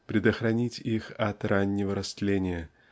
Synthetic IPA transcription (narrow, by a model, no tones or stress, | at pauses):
pɾʲɪd̪əxɾɐnʲitʲixɐt̪ranʲːɪvəɾɐst̪lʲenʲɪjə